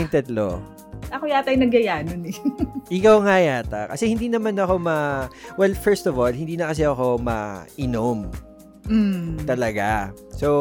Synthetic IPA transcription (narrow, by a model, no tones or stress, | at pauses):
nt̪ɛt̪lo̰ | ɐkojaːt̪ɐjnɐɡɐjaːnonɛʔɪkawŋajaːt̪a̰kɐsɛhɪnd̪iːnɐmanɐko̞mɐwɛlfɛɹst̪ɔvolhɪnd̪iːnɐkɐs̬ɛʔɐko̞mɐ̰ʔɪnom | m̩t̪ɐlɐɡa | so